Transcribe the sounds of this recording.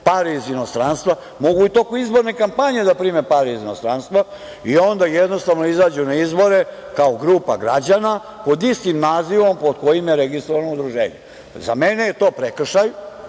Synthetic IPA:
paɾiizino̞st̪ɾanst̪ʋa | mo̞ɡuit̪okuizbo̞ɾnekampaɲe̞d̪apɾiːmepaɾɛizino̞st̪ɾanst̪ʋa | io̞nd̪ajed̪no̞st̪aʋno̞izaːd͡ʑunaizbo̞ɾe | kaoɡɾuːpaɡɾad͡ʑana | po̞d̪ist̪imnaːziʋo̞mpo̞d̪ko̞jimjeɾeɡist̪ɾoʋanoud̪ɾuʒḛːɲḛ | za̰menejet̪o̞ːpɾekr̩ʃaj

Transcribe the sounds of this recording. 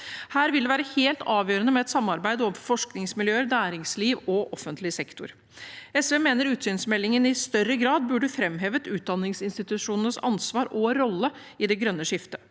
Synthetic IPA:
hæːɾʋɪld̪ɛʋæːɾəheːlt̪ʰɑːʋjøːɾənəmɛɛt̪sɑmːɑɾbæɪd̪əɔmfɔʂknɪŋsmɪljøːəɾnæːɾɪŋsliːʋɔʔɔfənt̪lɪsɛkt̪ʊ̰ɾ | ɛsʋeːmeːnəɾʉːt̪syːnsmɛlːɪŋənɪst̪œɾːəɡɾɑːd̪̚bʉɖəfɾɛmɦeːʋət̪ʉːt̪̚d̪ɑnːɪŋsɪnst̪ɪt̪ʉʂuːnənəsɑ̰nsʋɑːɾʔɔɾɔlːəɪd̪ɛɡɾœnːəʂɪft̪ə

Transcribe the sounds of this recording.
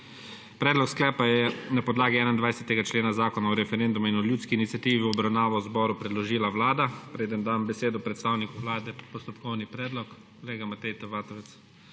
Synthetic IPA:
pɾɛːd̪lɔksklɛːpajɛnapɔd̪laːɡiɛːnaind̪ʋajsɛt̪ɛɡat͡ʃleːnazaːkɔnaɔɾɛfɛɾend̪umainɔlʲjuːt̪skiːnit̪sʲjat̪iːʋiɔbɾawnaːʋɔwzbɔːɾupɾɛd̪lɔʒiːlawlaːd̪apɾeːd̪ənd̪ambɛseːd̪ɔpɾɛt̪st̪awnikuʋlaːd̪ɛpɔst̪ɔpkɔwnipɾɛːd̪lɔk | kɔleːɡamat̪ɛjt̪ɛʋaːt̪ɔʋɛt̪s

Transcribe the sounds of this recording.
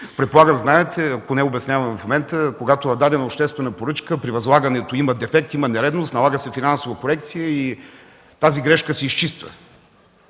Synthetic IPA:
pɾɛt̪̚polˠaɡəmznaɛt̪ʰɛɐkonɛobɛsnʲavɐmfmomɛnt̪əkoɡat̪oɐd̪ad̪ɛnɐʊpʃt̪ɛst̪vɛnəpoɾɤt͡ʃkəpɾivɐzlˠaɡɐnɛt̪oimɐd̪ɛfɛk̚t̪imənɛɾɛd̪nost̪nɐlˠaɡəsɛfinansovəkoɾɛk̚t̪sijəi | t̪aziɡɾɛʃkəsɛist͡ʃist̪və̰

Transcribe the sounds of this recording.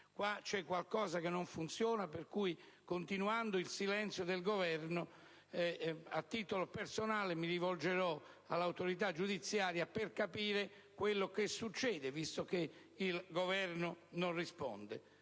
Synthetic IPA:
kwat͡ʃɛkːwalkɔːzakenːoɱfunt̪sjɔːnaperkuj | kont̪inuand̪oilsilɛnt̪sjod̪elɡovɛrno | ɛat̪ːiːt̪olopersonaːlemiɾivold͡ʒeɾɔ | alːawt̪oɾit̪ad͡ʒːud̪it̪sːjaːɾjaperkapiːɾe | kwelːokesːut͡ʃːɛːd̪evist̪oke | ilɡovɛrnʊnonrispɔ̰nd̪e

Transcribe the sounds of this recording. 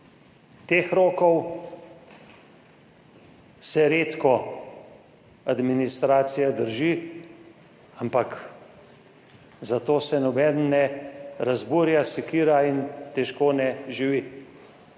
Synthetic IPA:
t̪eːxɾoːkɔw | sɛɾeːt̪kɔ | ad̪minist̪ɾaːt̪sijad̪əɾʒi | ampak | zat̪oːsɛnɔbɛːd̪nnɛɾazbuːɾjasɛkiːɾaint̪ɛʃkoːnɛʒiʋi

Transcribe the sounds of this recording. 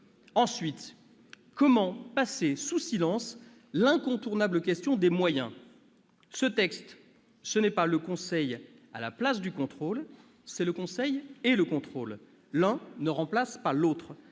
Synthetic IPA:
ɑ̃sɥit̪ | kɔmɑ̃pasesusilɑ̃s | lɛ̃kɔ̃t̪uʁnabləkʲɛst̪jɔ̃d̪emwajɛ̃ | sət̪ɛkst̪ | sənɛpaləkɔ̃sɛj | a̰la̰plas̬d̪ykɔ̃t̪χol | sɛləkɔ̃sɛjeləkɔ̃t̪χolː | ɛ̃nəʁɑ̃plaspalot̪χ

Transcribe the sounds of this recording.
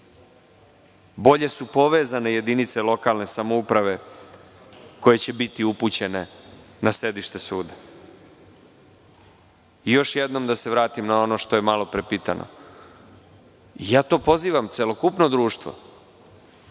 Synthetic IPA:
bo̞ʎe̞supo̞ʋe̞ːzane̞je̞d̪init̪se̞lo̞kalne̞samoupɾaʋe̞ | ko̞je̞t͡ɕe̞bit̪iuput͡ɕe̞ne̞ | nase̞d̪iʃt̪e̞suːd̪ḁ | ijo̞ʃjed̪no̞md̪ase̞ʋɾaːt̪imnao̞no̞ʃt̪o̞je̞malo̞pɾepiːt̪a̰nʔo̰ | ijaːt̪o̞ːpo̞ziːʋamt̪selo̞kupno̞d̪ɾuːʃt̪ʋo̰

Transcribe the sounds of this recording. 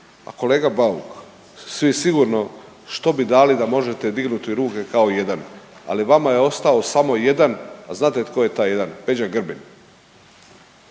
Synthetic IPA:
a̰ko̞le̞ːɡabaṵk | sʋijesiɡuɾno̞ | ʃt̪o̞bid̪aːlid̪amo̞ʒe̞t̪e̞d̪iɡnut̪iɾuːke̞kao̞je̞d̪ana̰liʋamajeo̞st̪ao̞samo̞je̞d̪anaznaːt̪et̪kojet̪aːje̞d̪anpe̞d͡ʑaɡr̩bin

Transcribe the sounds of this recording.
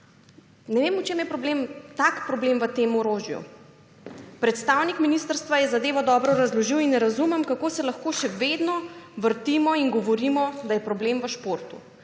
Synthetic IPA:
nɛʋemut͡ʃemjɛpɾɔblemt̪akpɾɔbleːmʋət̪eːmɔɾoːʒjṵ | pɾɛt̪st̪aːwnikminist̪əɾst̪ʋajɛzad̪eːʋɔd̪ɔbɾɔɾazlɔʒiwinːɛɾazumɛmkakoːsɛlaxkoːʃɛʋeːd̪nɔʋəɾt̪imɔinɡɔʋɔɾimɔd̪ajɛpɾɔblemʋəʃpoɾt̪ṵ

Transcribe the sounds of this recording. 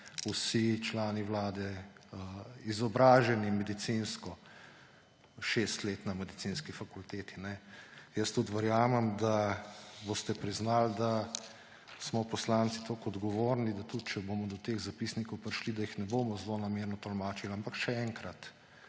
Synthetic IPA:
usit͡ʃlaːniwlaːd̪ɛ | izɔbɾaːʒɛnimɛd̪it̪sinskɔ | ʃest̪leːt̪namɛd̪isinskifakult̪eːt̪inɛjəst̪ut̪ʋɛɾjaːmɛmd̪abost̪ɛpɾiznald̪a | smɔpɔslant̪sit̪oːkɔd̪ɡɔʋoːɾnid̪at̪ut̪̚t͡ʃɛboːmɔd̪ɔt̪eːɣzapisnikɔwpɾiʃlid̪ajixnɛboːmɔzlonameɾnɔt̪ɔlmaːt͡ʃilampakʃɛɛŋkɾat̪

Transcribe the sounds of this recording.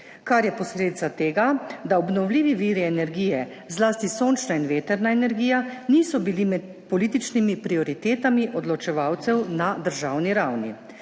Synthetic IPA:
kaɾjɛpɔsleːd̪it̪sat̪eːɡad̪aɔbnɔwliːʋiʋiːɾiɛnɛɾɡiːjɛ | zlaːst̪isoːnt͡ʃnainʋeːt̪ɛɾnaɛnɛɾɡiːjaniːsɔbilimɛt̪̚ | pɔliːt̪it͡ʃnimipɾiɔɾit̪eːt̪amiʔɔd̪lɔt͡ʃɛʋawt̪sɛwnad̪əɾʒaːwniɾawnḭ

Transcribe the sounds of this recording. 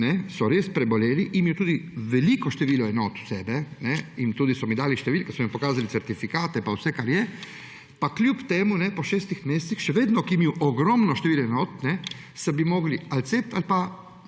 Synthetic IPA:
nɛsɔɾeːspɾɛbɔleːliʔimiɛwt̪uːd̪iʋɛliːkɔʃt̪ɛʋiːlɔɛnoːt̪u̥sɛːbɛnɛint̪uːd̪isɔmid̪aːliʃt̪ɛʋilkɛsɔmimpɔkaːzalisɛɾt̪ifikaːt̪ɛpawsɛkaɾjɛ | paklʲjupt̪eːmunɛpɔʃɛːst̪ixmeːst̪sixʃɛʋeːd̪nɔkimiwʔɔɡɾɔmnɔʃt̪eʋiːlɔɛnoːt̪nɛ | sɛbimoːɡlialt̪sep̚t̪a̰lpa

